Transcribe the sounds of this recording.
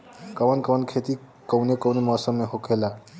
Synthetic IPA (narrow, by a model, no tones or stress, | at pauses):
kəbənkəwənkʰet̪i | kəwnekəwnemɔsəmːeɦokela